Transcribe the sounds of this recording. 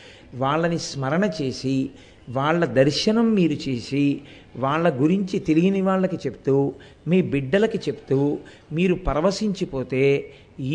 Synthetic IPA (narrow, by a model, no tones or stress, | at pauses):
ʋaːɭːɐnismɐɾɐɳɐt͡ʃe̞ːsi | ʋaːɭːɐd̪ɐɾʃɐnɐmːiːɾut͡ʃeːsi | ʋaːɭːɐɡuɾiɲt͡ʃit̪e̞liɡiniʋaːɭːɐkit͡ʃe̞pu̥t̪uː | miːbiɖːɐlɐkit͡ʃe̞pu̥t̪uː | miːɾupɐɾɐʋɐsiɲt͡ʃipo̞ːt̪e̞ː | i